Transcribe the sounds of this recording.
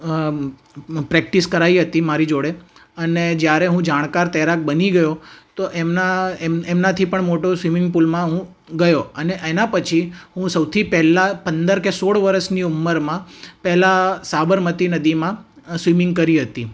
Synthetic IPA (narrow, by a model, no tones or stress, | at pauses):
pɾɛk̚ʈiskəɾaiɦət̪imaɾid͡ʒoɽeəned͡ʒjaɾeɦũd͡ʒaɽ̃kaɾt̪ɛɾak̚bəniɡəjot̪oʔemnaeemnat̪ʰipəɳmoʈosʋimɪ̃ŋɡ̚pulmãɦũ | ɡəjoəneʔenapət͡ʃʰiɦũsəwt̪ʰipɛɦlapənd̪əɾkesoɭʋəɾəsniumːəɾmãpɛɦlasabəɾmət̪inəd̪imãsʋimɪŋɡ̚kəɾiɦət̪i